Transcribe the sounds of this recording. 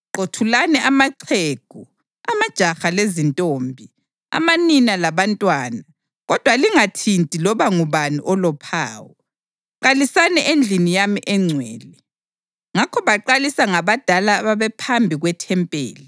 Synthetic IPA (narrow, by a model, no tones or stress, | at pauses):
ǃotʰulanɛʔamaǀʰeɡ̥ʱu | a̰mad̥ʒ̥ʱaxalezintʼoːmbʱi | a̰maninalaβantʼwaːna | ɣɔd̥ʱwaliŋatʰintʼilɔβaŋuβaniʔɔlɔpʰa̰ːwɔ | ǃalisanɛʔend͡ɮʱinijamiʔɛŋ͡ǀʱwɛːli | ŋakʰɔβaǃalisaŋaβad̥ʱalaːβaβɛpʰambʱiɣwɛtʰɛmpʼḛːli